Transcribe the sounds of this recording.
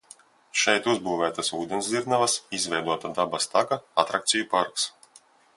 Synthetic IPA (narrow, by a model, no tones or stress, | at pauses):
ʃɛjt̪uzbuːvæːt̪asuːd̪ʲɛnsiɾnavasizvɛjd̪uɔt̪ad̪abast̪aɡaat̪ɾakt̪sʲijupaɾks